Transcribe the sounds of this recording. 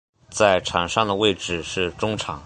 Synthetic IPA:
t͡sa˥˩ɪʈ͡ʂʰɑ˨˩ŋʂɑ˥˩ŋd̪ə˩we˥˧ɪʈ͡ʂɻ̩˥˩ʂɻ̩˥˩ʈ͡ʂʊ˥ŋʈ͡ʂʰɑ˨˩˦ŋ

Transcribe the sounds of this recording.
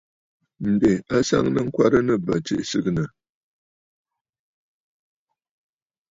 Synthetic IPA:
n̩˨de˨a˦sa̰˦ŋnə˦ŋ̩˦kwa˦ɾə˦nɨ˦˨ba˨t͡ʃḛ˨ʔsɨ˦knə˨

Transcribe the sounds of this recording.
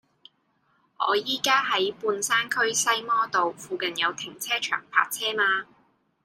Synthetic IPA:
ʔɔ̰ː˨˧jiː˥kaː˥ɦɐ˨˦˥jpuː˧nsaː˥nkʰɵ˥ɥsɐ˥jmɔː˥t̪o˨wfuː˨kɐ˨njɐ˨˧wt̪ʰɪ˨˩ŋt͡sʰɛː˥t͡ʃʰœ̰ː˨˩ŋpʰa̰ː˧k̚t͡sʰɛː˥maː˧

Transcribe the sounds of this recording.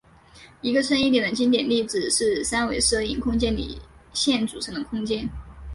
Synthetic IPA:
i˧˥ɡə˧ʂʰə˥ni˥˩t̪jɛ˨˩nd̪ə˦t͡ɕi˥nt̪jɛ˨˩nli˥˩t͡sɹ̩˨˩ʂɻ̩˥˩sa˥nwe˧˥ɪʂɤ˥˧i˥˧ŋkʰʊ˥ŋt͡ɕjɛ˥nlḭ˨˩˦ɕjɛ˥˩nʈ͡ʂu˨˩ʈ͡ʂʰɤ˧˥ŋd̪ə˧kʰʊ˥ŋt͡ɕjɛ˥n

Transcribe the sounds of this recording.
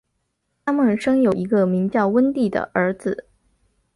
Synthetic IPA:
t̪ʰa˥mə˨˩nʂɤ˥ŋjo˨˩ʊi˧˥ɡə˧mi˧˥ŋt͡ɕjɑ˥˩ʊwə˥nt̪i˥˩d̪ə̰˩ʔə˞˧˥t͡sɹ̩˧˩

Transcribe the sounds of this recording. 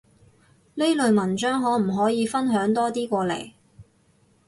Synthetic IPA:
le˥jlɵ˨˧ɥmɐ˨˩nt͡ʃœː˥ŋɦɔː˨˥m̩˨˩ɦɔː˨˥jiː˨˧fɐ˥nɦœː˨˥ŋt̪ɔː˥t̪iː˥kʷɔː˧lḛ˨˩j

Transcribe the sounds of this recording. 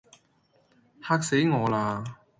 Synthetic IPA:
haː˥k̚se˨˥jŋɔː˨˧laː˧

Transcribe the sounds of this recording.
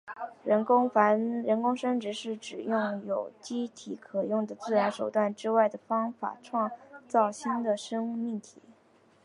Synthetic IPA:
ɻə˧˥ŋfa˧˥ɻə˧˥nkʊ˥ŋʂə˥ŋʈ͡ʂɻ̩˧˥ʂɻ̩˥˩ʈ͡ʂɻ̩˨˩jʊ˥˩ŋjo˨˩ʊt͡ɕi˥t̪ʰi˧˥kʰɤ˨˩jʊ˥˩ŋd̪ə˩t͡sɹ̩˥˩ɻa˧˥nʂo˨˩ʊt̪wa˥˩nʈ͡ʂɻ̩˥wa˥˩ɪd̪ə˩fɑ˥ŋfa̰˨˩ʈ͡ʂʰwɑ˥˧ŋt͡sɑ˥˩ʊɕi˥nd̪ə˨ʂɤ˥ŋu˥˧mi˥˩ŋt̪ʰḭ˨˩˨

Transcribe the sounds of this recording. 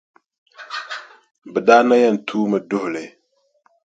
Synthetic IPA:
bɛ˨daː˦na˦jɛ˦˨n̩˨tʰuː˦mɨ˨dʊ˦hʊ˨lɨ˨

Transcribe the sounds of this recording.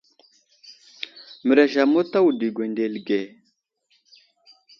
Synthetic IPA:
mə˨ɾa˨ʃa˨mo˦ta˦wu˨di˨ɡʷe˨nde˨lɡe˨

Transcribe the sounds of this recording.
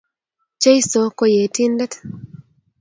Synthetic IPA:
t͡ʃe˦jso˨˦ko˦je˨ti˦ndɛ˦t̪

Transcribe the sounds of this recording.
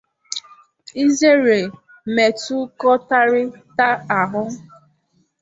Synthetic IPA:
i˦ze˦ɾe˨ | me˨tu˦kɔ˦ta˦ɾɪ˦ta˦a˨ɦʊ˦

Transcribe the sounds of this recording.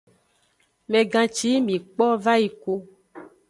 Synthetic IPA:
mɛ̃˨ɡã˨t͡ʃi˨˦mĩ˨k͡pɔ˦va˦ji˨ko˦

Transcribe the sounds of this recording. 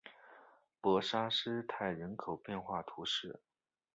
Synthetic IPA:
pɤ˧˥ʂa˥ʂɻ̩˥t̪ʰa˥˩ɪɻə˧˥nkʰo˨˩ʊpjɛ˥˧nxwa˥˩t̪ʰu˧˥ʂɻ̩˥˩

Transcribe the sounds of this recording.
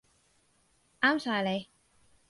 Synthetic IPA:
ʔaː˥msaː˧jle˨˧j

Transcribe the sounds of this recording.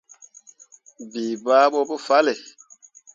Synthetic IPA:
biː˨ba˦ɓo˦bo˦fa˦le˨

